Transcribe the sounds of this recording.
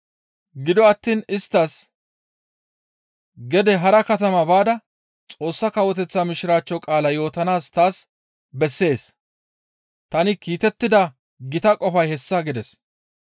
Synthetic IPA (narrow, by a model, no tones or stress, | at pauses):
ɡɪd̪ɔɐt̪ːiːnɪst̪ːɐs | ɡɛd̪ɛɦɐɾɐkɐt̪ɐmɐbaːd̪ɐ | t͡sʼo̞ːsːɐkɐwɔt̪ɛt͡sːɐmɪʃɪɾaːt͡ʃːɔkʼaːlɐjo̞ːt̪ɐnaːst̪aːs | bɛsːe̞ːs | t̪ɐnɪkiːt̪ɛt̪ːɪd̪ɐ | ɡɪt̪ɐkʼɔfɐjhɛsːɐɡɪd̪ɛs